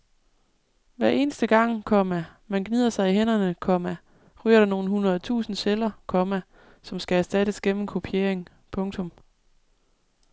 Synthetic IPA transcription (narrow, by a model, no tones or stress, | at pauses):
ʋæɐe̝ːnəsd̥əɡ̥ɑ̈ŋ̰kʰɒ̽mæmænɡ̥nið̰ˠɐsɑ̈ɪiɦenɐnəkʰɒ̽mæ | ʁy̰ːɐɾ̥ɑno̝ːn̩ɦunʁɐð̩ˠt͡sʰṵːsn̩ɕelɐkʰɒ̽mæ | sɒ̽msɡ̥ææɐsd̥æɾ̥əsɡ̥en̰m̩kʰo̝pʰie̝ɐ̰eŋ | pʰɔ̽ŋt͡sʰɔ̽m